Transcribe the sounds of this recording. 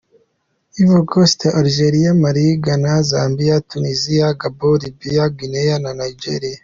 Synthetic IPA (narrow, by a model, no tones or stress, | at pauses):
iβoɡosteʔaɾiʒeɾijamaɾiɡanazaːmbijatunizijaɡabolibijaɡinejananajd͡ʒeɾia